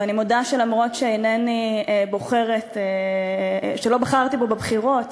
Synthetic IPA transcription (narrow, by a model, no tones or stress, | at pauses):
animodaʃelamʁo̞tʃeenenibo̞χe̞ʁet̪e | ʃelo̞baχaʁt̪ibo̞bebχiʁo̞t